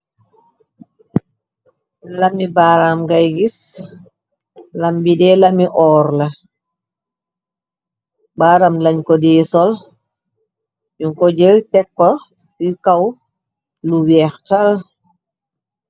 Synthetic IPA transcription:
lamibaɾamɡajɡis | lambidɛlamiʔɔːɾla | baːɾamlaɲkɔdɛːsɔl | juŋkɔd͡ʒɛltɛkːɔ | sikaw | luwɛxtal

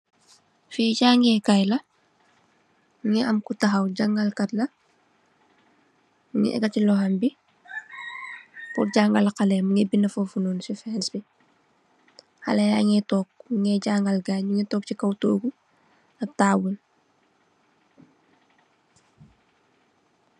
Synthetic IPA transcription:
fiːɟaːŋɡɛkajlɐ | ŋɛɐmkutaxɐwɟaŋɡɐlkɐtlɐ | ŋɛ̰ʔɛ̰ɡɐcilɔhɐmbi | puɟaŋɡɐlkɐlɛmuŋɛbinːɐfofunonsifɛːnsbi | hɐ̰lɐja̰ːŋɛtɔːk̚ŋɛɟaːŋɡɐlɡaɲuŋɛtɔːk̚cikɐwtoːɡu | ɐb̚taːwul

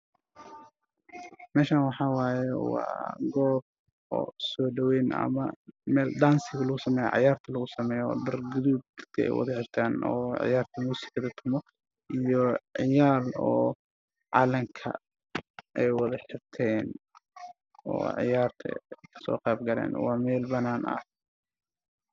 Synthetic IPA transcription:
mɛːʃaːnwɑħɑːwaːjɛwɑ̰ːɡɔːb̚ | ɔ̰ːsɔːɖɐwɛjnɐ̰mɐ̰mɛːld̪aːnsɪɣɐlɐɣʊsɐmɛːjɔ̰ʕɪ̰jaːrt̪ʰɐlɐɣʊsɐmɛːjɔɔ̰ːɖɐrɡʊðuːb̚kʰɐɛ̰jwɑ̰ðɐħɪrt̪ʰaːnɔ̰ːʕɪ̰jaːrt̪ʰɐmuːsɪ̥kʰɐðɐt̪ʰʊmɔ | ʔijɔʕɪjaːlɔː | ʕɑ̰lɐŋkʰɐ̰ | ʔɛjwɑðɐħɪrt̪ʰɛːn | ɔ̰ːʕɪ̰jaːrt̪ʰɐ̰kʰɐ̥sɔ̰ːqɑːb̚ɡɐlɛ̰ːnwɑːmɛːlbɐnaːnɐ̰h

